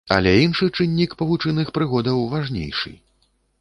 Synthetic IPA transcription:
ɐ̰lʲɛinʂɨt͡ʂɨnʲːikpɐvut͡ʂɨnɨxpɾɨɣɔd̪ɐwvaʐnʲḛjʂɨ̰

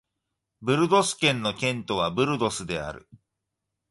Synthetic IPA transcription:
bɯ̟ɾɯ̟d̪o̞sɨ̥kẽ̞nːo̞kʲẽ̞nt̪o̞β̞abɯ̟ɾɯ̟d̪o̞sɨd̪e̞a̰ɾɯ̟̰

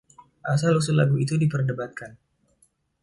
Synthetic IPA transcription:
ʔasalusula̰ɡuit̪udipərdəbat̪̚kan

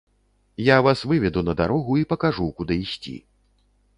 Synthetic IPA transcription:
javasvɨvʲɛd̪unɐd̪aɾɔɣuipɐkaʐukud̪ɨisʲt͡sʲḭ

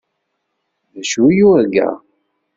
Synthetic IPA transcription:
ðæʃujuæɡæ̰

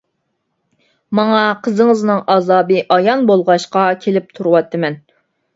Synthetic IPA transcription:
mɑŋɑqʰəzɨŋɨznɨŋɑzɑːbɨʔɑjɑnbolˠʁɑʃqɑkʲʰelɪp̚t̪ʰuɾuwɑt̪ʰːɨmɛn

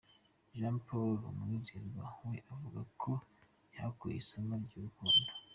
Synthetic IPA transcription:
ʒãmpʰolumizeɾɡwahweʔavuɡakʰo | jakuḭsamaɾɟuɾukuːndo

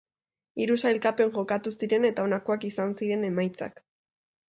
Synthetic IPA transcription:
iɾusajlkape̞ŋʝo̞kat̪usiɾe̞ne̞t̪ao̞nako̞akisansiɾe̞ne̞majt͡sa̰k

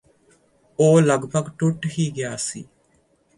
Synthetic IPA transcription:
oːlɐɡpɐɡʈuʈːɦiːɡejaːsiː

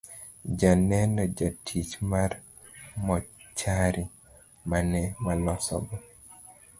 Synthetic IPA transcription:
d͡ʒanɛnɔd͡ʒatʰit͡ʃmar | mɔt͡ʃaɾi | manɛmalɔsɔ̰ɡɔ

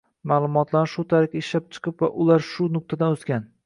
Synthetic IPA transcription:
maːlˠʊmɒt̪ʰlaɾʃʊt̪ʰaɾɪkʲaɪʃlap̚t͡ʃʰɨ̥qʰɨpva̰ʔʊlaɾʃʊnʊk̚t̪ʰad̪anoskʲan

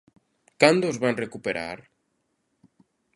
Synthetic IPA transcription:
kand̪ozβanrekupeɾa̰ɾ

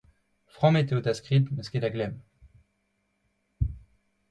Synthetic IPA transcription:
fʁɑ̃met̪eot̪askʁit̪mɛsked̪aɡlɛm

